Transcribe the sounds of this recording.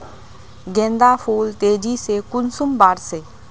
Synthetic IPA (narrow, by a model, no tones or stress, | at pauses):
ɡɛ̃ːnd̪aːpʰoːlt̪eːd͡ʒisekʊnsʊmbaːɾseː